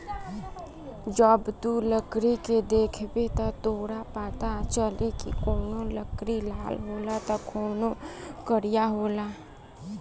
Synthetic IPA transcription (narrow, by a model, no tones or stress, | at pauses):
d͡ʒəbt̪uləkɾiked̪eːkʰbet̪ɔt̪oːɽapaːt̪at͡ʃəlekḭkoːnoləkɾilaːlɦoːlat̪ɔkʰoːnokəɾijaɦoːla